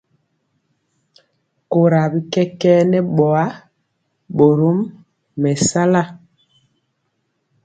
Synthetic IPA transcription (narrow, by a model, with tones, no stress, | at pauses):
ko˨ɾa˨bi˦kɛ˦kɛ˦nɛ˦ɓɔ˨a˦ | ɓo˨ɾo˦mː | ɛ˨sa˦la˦˨